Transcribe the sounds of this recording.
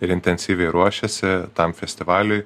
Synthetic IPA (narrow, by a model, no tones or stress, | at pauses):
ɪɾɪnʲt̪ʲɛnʲsʲiːʋʲɛɪɾuɔʃʲɛsʲɪt̪ɐmfʲɛsʲt̪ʲɪʋɑːlʲʊɪ